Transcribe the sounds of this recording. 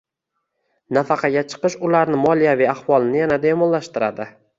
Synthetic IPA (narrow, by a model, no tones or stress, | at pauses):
nafɑqʰɑɡʲat͡ʃʰɨ̥qɨʃʊlaɾnɪmɒlijavijaχvɒlˠɪnɪjanad̪emɒnlaʃt̪ɪɾa̰d̪ɪ